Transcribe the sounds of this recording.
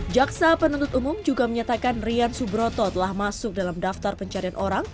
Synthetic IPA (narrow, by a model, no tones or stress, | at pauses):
d͡ʒaksapənunt̪ʊt̪umʊmd͡ʒuɡaməɲat̪akanriansubɾot̪ɔt̪əlahmasʊk̚dalamdaft̪arpəɲt͡ʃaɾianʔoɾaŋ